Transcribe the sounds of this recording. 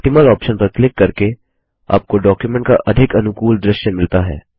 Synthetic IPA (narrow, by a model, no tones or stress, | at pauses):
ʈɪməlɔːpʃənpɐɾklɪkːɐɾke | a̰ːp̚koɖɔːkjumɛ̃ɳʈkaʔɐd̪ʱɪkɐnʊkuːld̪ɾɪʃjəmɪlt̪aɦɛ̰ː